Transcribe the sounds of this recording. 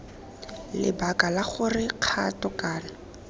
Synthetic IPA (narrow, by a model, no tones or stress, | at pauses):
lɪ̰bakalaχʊrɪq͡χʰatɔkaːna